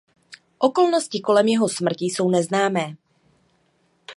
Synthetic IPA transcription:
ʔo̞ko̞lno̞scɪko̞lɛmjɛɦo̞smr̩cɪso̞wnɛznaːmɛː

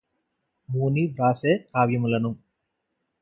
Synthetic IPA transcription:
muːnibɾaːseːkaːʋjɐmulɐnu

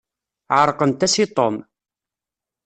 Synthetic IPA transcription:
ʕəɾˤqənt̪æsit̪ˤom

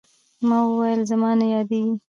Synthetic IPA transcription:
mɑwəwajəlzamɑnajɑd̪eɡi

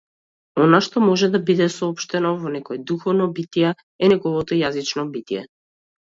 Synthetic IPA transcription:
ɔnaʃt̪ɔmɔʒɛd̪abid̪ɛsɔɔpʃt̪ɛnɔvɔnɛkɔjɛd̪uxɔvnɔbit̪ijɛ | ɛnɛɡɔvɔt̪ɔjazit͡ʃnɔbit̪ijɛ̰

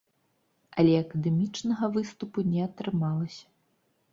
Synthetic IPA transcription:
ɐlʲɛɐkɐd̪ɛmʲit͡ʂnɐɣɐvɨst̪upunʲɛɐt̪ɾɨmalˠɐsʲɐ̥

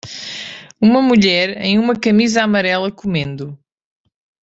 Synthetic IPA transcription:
umɐmuʎɛɾḛ̃j̃umɐkɐmizamɐɾɛlˠɐkumẽnd̪u

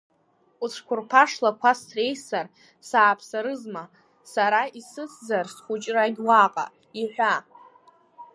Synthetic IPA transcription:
uʈ͡ʂʷʰkʷʰʊrpʰaʂlakʷasre̞jsar | saːpʰsaɾɨzma | saɾaisɨt͡sʰzarsχʷut͡ʃʼraɡʲwaqʼa̰ | iħʷa

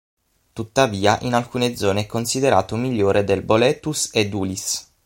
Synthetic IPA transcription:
t̪ut̪ːaviːaʔinalkuːned̪zɔːneɛkːonsid̪eɾa̰ːt̪omiʎːoːɾed̪elbolɛt̪ːused̪uːlis

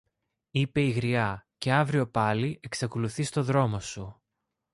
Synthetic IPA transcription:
ipe̞iɣɾiɐce̞ɐvɾio̞pɐliʔe̞ksɐkoluθist̪o̞ðɾo̞mo̞su

